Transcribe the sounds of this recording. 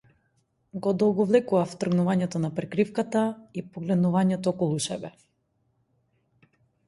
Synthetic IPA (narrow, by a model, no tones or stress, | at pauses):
ɡɔd̪ɔlˠɡɔvlɛkuvaft̪r̩ɡnuvaɲɛt̪ɔnapɾɛkɾifkat̪aipɔɡlɛd̪nuvaɲɛt̪ɔɔkɔlˠusɛ̰bɛ